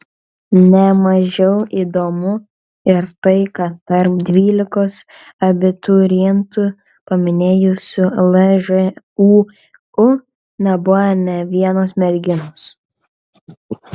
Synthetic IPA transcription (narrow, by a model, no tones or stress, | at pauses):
nʲɛmɐʒʲɛʊiːd̪oːmʊ | ɪɾt̪ɐɪkɐt̪t̪ɐɾp̚d̪ʲʋʲiːlʲɪkoːs | ɐbʲɪt̪uɾʲint̪u | pɐmʲɪnʲeːjʊsʲʊlˠɛʒɛ | uː | ʊ | nʲɛbʊɐnʲɛʋʲiɛnosmʲɛɾʲɡʲɪnos